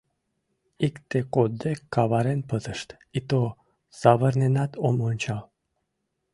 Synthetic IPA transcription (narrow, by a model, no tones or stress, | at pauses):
ikt̪ekod̪ekːavaɾenpət̪əʃt̪ | it̪o | savərnenat̪ʰomonʲt͡ɕal